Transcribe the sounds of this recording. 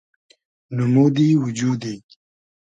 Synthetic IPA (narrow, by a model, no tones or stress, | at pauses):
numud̪iwud͡ʑuːd̪i